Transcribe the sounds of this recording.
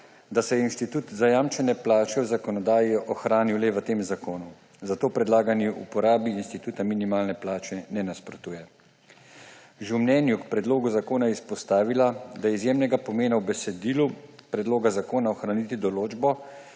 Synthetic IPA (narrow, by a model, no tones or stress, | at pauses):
d̪asɛjɛinʃt̪it̪uːt̪zajaːmt͡ʃɛnɛplaːt͡ʃɛwzakɔnɔd̪aːjiɔxɾaːniwlɛʋət̪eːmzakoːnu | zat̪oːpɾɛd̪laːɡanjiʔṵpɔɾaːbiːnst̪it̪uːt̪aminimaːlnɛplaːt͡ʃɛnɛnaspɾɔt̪uːjɛ | ʒewmnɛnjukpɾɛd̪loːɡuzakoːnajɛispɔst̪aːʋilad̪ajɛizjemnɛɡapɔmeːnawbɛsɛd̪iːlupɾɛd̪loːɡazakoːnaɔxɾanit̪id̪ɔloːd͡ʒbɔ